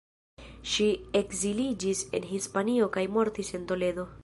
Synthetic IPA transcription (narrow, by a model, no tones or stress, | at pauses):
ʃie̞kzilid͡ʒise̞̰nɦispanio̞kajmo̞ɾtise̞nto̞le̞do̞